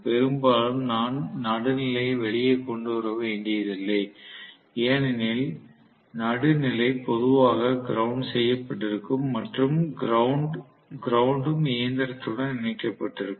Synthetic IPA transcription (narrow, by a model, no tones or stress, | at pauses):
pɛɾɯmbaːlɯmnaːnnɐɽɯnɪlɐɪʋɛɭɪjeɪkːɔɳɖɯʋɐɾɐʋeːɳɖɪjɐðɪlːɐɪ | eːnɪnɪl | nɐɽɯnɪlɐɪpɔðɯʋaːɣɐɡɪɾɐʊɳɖsɛjːɐpːɐʈːɪɾɯkːɯmːɐʈrɯmɾɐɳɖ | ɡɪɾɐwʊɳɖɯmɪjɐnd̪ɐɾɐt̪ːɯɽɐnnɪnɐɪkːɐpːɐʈːɪɾɯkːɯ